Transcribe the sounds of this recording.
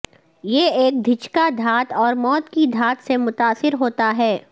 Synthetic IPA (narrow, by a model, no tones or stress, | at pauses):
jeeːk̚d̪ʱɪt͡ʃkad̪ʱaːt̪ɔːɾmɔːt̪kid̪ʱaːt̪semʊt̪aːsɪɾɦoːt̪aɦɛː